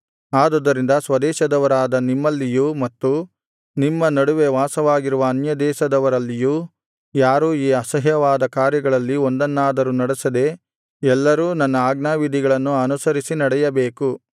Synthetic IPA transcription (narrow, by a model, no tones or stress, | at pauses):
aːd̪od̪ːɐɾind̪ɐsʋɐd̪ɛːʃɐd̪ɐʋɐɾaːd̪ɐnimːɐlːijumɐt̪ːu | nimːɐnɐɽuʋe̞ʋaːsɐʋaːɡiɾuʋɐːnjɐd̪ɛːʃɐd̪ɐʋɐɾɐlːijuː | jaːɾuːiːɐsɐɦjɐʋaːd̪ɐkaːɾjɐɡɐɭɐlːio̞nd̪ɐnːaːd̪ɐɾunɐɽesɐd̪e̞ | ɛlːɐɾuːnɐnːɐaːɡnaːʋid̪ʱiɡɐɭɐnːuɐnusɐɾisinɐɽɛjɐbeːku